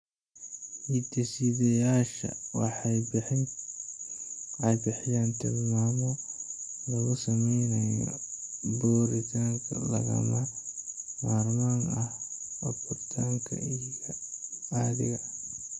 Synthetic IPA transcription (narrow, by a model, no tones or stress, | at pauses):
hit̪ʰɛsiðɐjaːʃɐ̰wɑ̰ħ | ɑjbɪħɪjaːnt̪ʰɪlmaːmɔ | lɐɣʊsɐmɛjnɐjɔ̰buːɾɪt̪ʰaːŋkʰɐ̰lɐ̰ɣɐ̰mɐ | maːrmaːŋɐhɔbɔrt̪ʰaːŋkʰɐ̰ijjɔaːðɪ̰ɣɐ